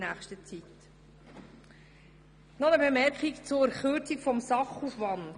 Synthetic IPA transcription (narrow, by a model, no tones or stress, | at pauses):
næːχʃtət͡sit | nɔnəbemɛɾkχikt͡sʊɾχøɾt͡sikfɔmsɑχufʋɑnd